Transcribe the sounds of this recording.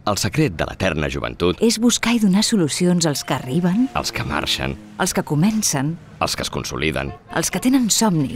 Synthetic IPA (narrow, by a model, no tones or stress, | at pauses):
əlˠsəkɾet̪̚d̪əlʔə̰t̪ɛrnəʒuβə̰nt̪ut̪ezβuskaiðunasulusionzəlˠskəːriβ̞ənə̰lˠskəma̰ɾʃə̰n | əlˠskəkumɛnsən | əlˠskəskunsuliðə̰nə̰lˠskət̪enənsɔmnḭ